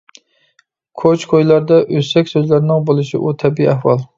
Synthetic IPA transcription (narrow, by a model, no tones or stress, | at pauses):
kʰot͡ʃkʰojlaɾd̪aʔɵsakʲsɵzlaɾnɪŋbolˠɪʃɪ̰ʔʊt̪ʰabiiahwɒlˠ